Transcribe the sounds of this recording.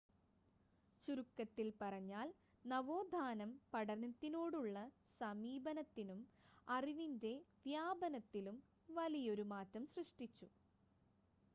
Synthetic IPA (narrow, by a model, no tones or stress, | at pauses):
t͡ɕurukːɐt̪ːilpɐrɐɲːaːl | nɐʋo̞ːd̪ʱaːnɐmpɐɽɐnɐt̪ːinoːɽuɭːɐ | sɐmiːbɐnɐt̪ːinumɐriʋinde̞ʋjaːbɐnɐt̪ːilum | ʋɐlijo̞ɾumaːtːɐmsrɨʂʈit͡ɕːu